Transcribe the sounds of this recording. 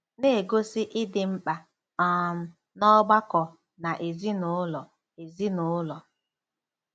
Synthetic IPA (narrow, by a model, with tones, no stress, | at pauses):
ne˦e˨ɡo˦sɪ˦ʔɪ˦dɪ˨ŋ͡m̩˦k͡pa˨ | ɔ˨m̩˦ | nɔ˦ɡ͡ba˦kɔ˨ | na˨ʔe˨zi˦nʊ˨˦lɔ˨ | e˨zi˦nʊ˨˦lɔ˨